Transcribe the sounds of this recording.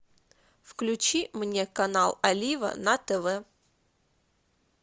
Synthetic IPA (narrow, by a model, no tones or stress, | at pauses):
fklʲʉt͡ɕimnʲekɐnalˠɐlʲivə̰nɐt̪ɛvɛ